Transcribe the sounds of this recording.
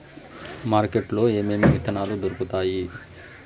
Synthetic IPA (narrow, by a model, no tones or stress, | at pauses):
maːɾkeʈlo̞ːeːmeːmiʋit̪ɐnaːlud̪oɾukut̪aːji